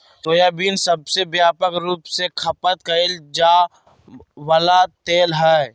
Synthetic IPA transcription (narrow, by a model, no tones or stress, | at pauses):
t̪oːjaːbiːnsɐbsebjaːpəkɾuːpsekʰɐpət̪̚kɐɪld͡ʒaː | wəlat̪eːlɦɛ